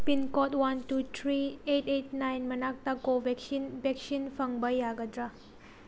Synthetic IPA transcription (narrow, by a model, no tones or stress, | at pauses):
pinkɔtwantutʰɾietet̚najnmɐnak̚takobeksinbɛk̚sinpʰɐŋbajːaɡɐdɾa